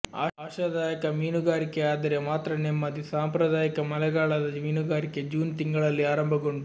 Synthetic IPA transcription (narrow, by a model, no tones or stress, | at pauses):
aːaːʃɐd̪aːjɐkɐmiːnuɡaːɾikeaːd̪ɐɾemaːt̪ɾɐnemːɐd̪isaːmpɾɐd̪aːjɐkɐmɐlɛɡaːɭɐd̪ɐmiːnuɡaːɾiked͡ʒuːnt̪iŋɡɐɭɐlːiaːɾɐmbʱɐɡoɳɖu